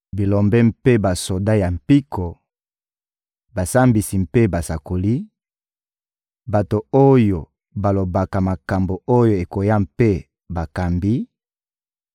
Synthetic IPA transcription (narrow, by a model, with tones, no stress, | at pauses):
bi˨lo˨mbɛ˦mpe˦ba˨so˨da˦ja˨m̩˨pi˦kʰo˨ | ba˨sa˦mbi˨si˨m̩pe˦ba˨sa˨ko˨li˦ | ba˨to˨o˦jo˨ | ba˨lo˨ba˨ka˨ma˨ka˨mbo˨o˦jo˨e˨ko˨ja˦mpe˦ | ba˨ka˨mbi˦